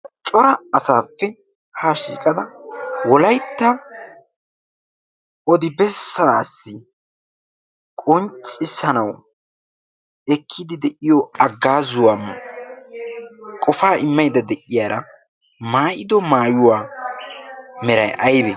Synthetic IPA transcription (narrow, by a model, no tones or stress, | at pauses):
t͡ʃʼɔɾɐːsaːfːɛ | haːʃḭːkʼɐd̪ɐwɔlɐjt̪ːɐ | ɔd̪ɪbɛsːasːɪ | kʼɔnt͡sʼːɪsːɐnɐw | ɛkʰːɪd̪ɪd̪ɛʔɪjɔɐɡːaːzʊwaːm | kʼɔfaːʔɪmːɐjd̪ɐd̪ɛʔɪjaːɾɐ | maːʔɪd̪ɔmaːjʊwaː | mɛɾɐjʔɐjbɛ